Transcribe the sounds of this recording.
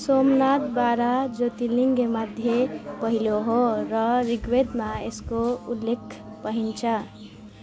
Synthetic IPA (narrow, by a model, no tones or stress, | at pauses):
somnat̪baːɾad͡ʒot̪iliŋɡkemad̪ʱjepəɦiloɦoɾʌɾiɡwed̪maeskoulːekʰ | pəɦint͡ʃʰə